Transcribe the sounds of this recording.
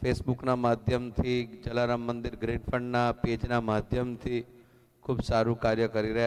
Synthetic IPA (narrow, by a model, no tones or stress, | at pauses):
pʰesbuknamaːd̪ʱjəmt̪ʰid͡ʒəlaɾəmːə̃nd̪ɪɾɡɾinfə̃ɳɖnaped͡ʒnamad̪ʱjəmt̪ʰi | kʰuːbsaɾũkaɾjəkəɾiɾəɦ